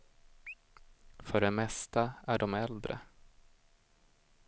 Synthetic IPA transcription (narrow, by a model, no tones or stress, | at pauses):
fœɖɛmɛst̪aæɖɔmɛld̪ɾə̰